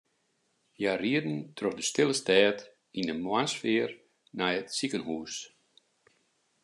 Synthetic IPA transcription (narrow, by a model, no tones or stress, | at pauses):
jaːriədn̩tʰroxdəstɪlˠəstɛːt | indəmwasfɪːər | najətsikənhuːs